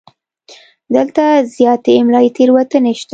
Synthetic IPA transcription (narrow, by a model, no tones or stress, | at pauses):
d̪əlt̪azjɑt̪eːmlɑjet̪ʰeɾwat̪əneʃt̪a